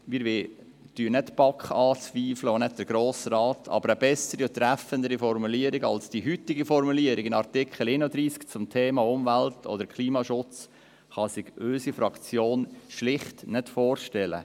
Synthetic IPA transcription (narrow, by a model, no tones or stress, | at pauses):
miːɾʋɪ | d̥yːənɛtpɑkχɑːt͡sʋiːfləonɛt̚d̪əɾɡ̥ɾoːsrɑːtʰɑ̰bəɾəbɛsəɾiʊtːɾæfəndəɾifɔɾmuliəɾɪɡɑ̰lsd̥iɦyt̪ːɪɡifɔɾmuliəɾɪɡɪnɑrtɪkʰχəl̩ɪnud̪ɾiːskt͡sʊmt̪ʰeːmɑʊmvæltʰɔ̰d̪əɾkχliːmɑʃʊt͡s | χɑsɪɡ̥øsifɾɑkt͡sjoːnʃlɪχtnɛtfɔːrʃtɛlə̰